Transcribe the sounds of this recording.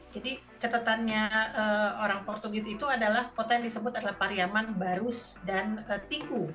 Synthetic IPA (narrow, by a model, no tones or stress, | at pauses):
d͡ʒadi | t͡ʃat̪ət̪anɲaəːoɾaŋpɔrt̪uɡɪsit̪uadalahkot̪ajaŋdisəbʊt̪adalahpaɾiamanbaɾʊsdanət̪iku